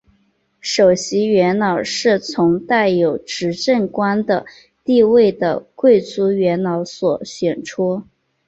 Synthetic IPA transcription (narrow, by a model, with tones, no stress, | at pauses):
ʂo˨˩ʊɕi˧˥ɥɛ˧˥nnɑ˨˩ʊʂɻ̩˥˩t͡sʰʊ˧˥ŋt̪a˥˩ɪjo˨˩ʊʈ͡ʂɻ̩˧˥ʈ͡ʂə˥˩ŋkwa˥nd̪ə˨˩ | t̪i˥˧we˥˩ɪd̪ə˩kwe˥˩ɪt͡su˧˥ɥɛ˧˥nnɑ˧˥ʊswɔ˨˩ɕɥɛ˨˩nʈ͡ʂʰu˥